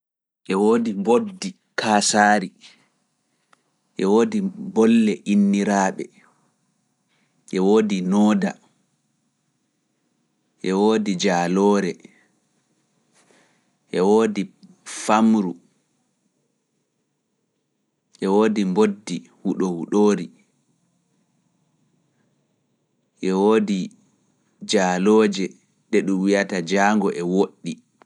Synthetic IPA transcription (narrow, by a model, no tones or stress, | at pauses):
ʔɛwoːdimbodːi | kʰaːsaːɾi | ʔɛwoːdibɔlːɛʔinːiɾaːɓɛ̰ | ʔɛwoːdinɔːda̰ | ʔɛwoːdid͡ʒaːlɔːɾɛ | ʔɛwoːdi | famɾu | ʔɛwoːdimbodːihuɗɔhuɗoːɾi | ʔɛwoːdi | d͡ʒaːlɔːd͡ʒɛ | ɗɛɗumwijatad͡ʒaːŋɡɔʔɛwoɗːi